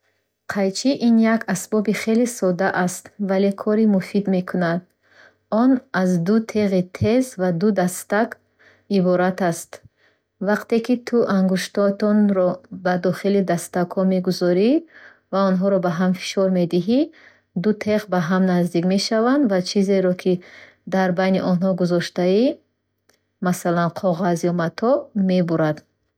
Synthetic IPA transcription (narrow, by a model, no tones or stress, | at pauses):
qʰajt͡ʃʰiʔinjakasbɔbiχe̞lisɔd̪aʔast̪valekʰɔɾimufid̪me̞kʰunad̪ | ɔnazd̪ut̪ʰe̞ʁit̪ʰe̞zvad̪ud̪ast̪ak | ibɔɾat̪ast̪ | vaqt̪e̞kit̪ʰuʔaŋɡuʃt̪ɔt̪ɔnɾɔbad̪ɔχilid̪ast̪akʰɔmeɡuzɔɾi | vaɔnɦɔɾɔbaɦamfi̥ʃɔɾme̞d̪iɦi | d̪ut̪ʰeʁbaɦamnazd̪ikme̞ʃavand̪vat͡ʃʰize̞ɾɔkʰi | d̪aɾbajniʔɔnɦɔɡuzɔʃt̪ai | masalanqʰɔʁazjɔmat̪ʰɔme̞buɾad̪